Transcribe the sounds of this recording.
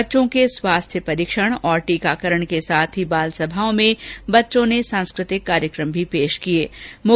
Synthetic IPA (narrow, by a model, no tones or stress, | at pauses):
tːʃõkeswaːst̪ʰjəpɐɾiːkʃəɽ̃ɔːɾʈiːkaːkəɾəɽ̃kesaːt̪ʰibaːlsɐbʱaːõmẽbɐtːʃõnesãːnskɾɪt̪ɪkːaːɾjəkɾə̃mbʱipeːʃkieːmʊ